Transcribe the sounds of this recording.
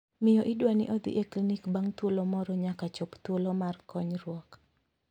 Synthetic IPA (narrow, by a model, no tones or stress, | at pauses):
mɪjɔʔɪdwanɪ̰ʔɔd̪ɪ̰ʔeklinikbaŋt̪wolomɔɾɔɲakat͡ʃɔpt̪wolɔmarkɔɲɾwɔk